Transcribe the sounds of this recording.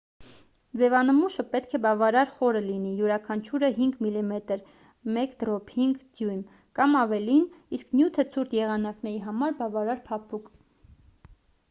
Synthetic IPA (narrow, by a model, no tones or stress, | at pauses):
d͡zɛvɑnəmuʃəpɛt̪kʰɛbɑvɑɾɑɾχɔɾəlinijuɾɑkʰɑnt͡ʃʰuɾəɦiŋɡmilimɛt̪əɾ | mɛkd̪ɾɔpʰhiŋɡd̪jujm | kɑmɑvɛlinisknjut̪ʰət͡sʰuɾt̪ʰjɛʁɑnɑknɛɾiɦɑmɑɾbɑvɑɾɑɾpʰɑpʰuk